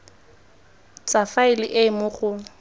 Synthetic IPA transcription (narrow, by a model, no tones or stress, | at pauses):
t͡sʼafaɪlɪʔemʊχʊ